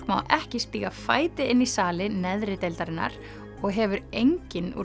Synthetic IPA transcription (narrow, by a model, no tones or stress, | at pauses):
kma̰wʔɛhcɪspiːɣafa̰ːjt̪ɪɪnːisaːlɪnɛðɾɪt̪ejlt̪aɾɪnːa̰ɾ̥ | ɔɣɦɛvʏɾejɲcɪnṵ